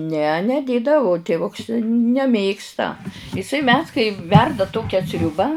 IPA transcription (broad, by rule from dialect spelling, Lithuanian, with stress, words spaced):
nʲɛ nʲɛˈdʲeːdɐʋʊ tʲeːˈʋʊks nʲɛˈmʲeːkstɐ ɪˈsɐɪ mʲɛs kɐɪ ˈʋʲɛrdɐ ˈtoːkʲɛ ˈsʲrʲʊbɑː